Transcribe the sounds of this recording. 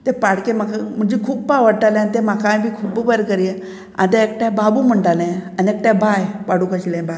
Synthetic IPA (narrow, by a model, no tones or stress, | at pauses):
t̪epaɽkem̤akam̤əɳd͡ʑekʰuːp̚paʋəɽʈalɛ̃ant̪emakãjbʱiːkʰuːbbəɾkəɾe | a̰t̪aek̚ʈjãbabum̤əɳʈalɛ̃aniek̚ʈjãbajpaɽukəɕlɛ̃ba